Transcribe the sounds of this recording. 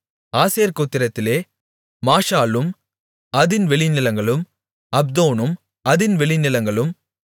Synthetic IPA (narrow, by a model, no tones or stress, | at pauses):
aːseːɾkoːt̪ːɪɾɐt̪ːɪleː | maːʂaːlɯm | ɐðɪnʋɛɭɪnɪlɐŋɡɐɭɯm | ɐb̚d̪oːnɯm | ɐðɪnʋɛɭɪnɪlɐŋɡɐɭɯm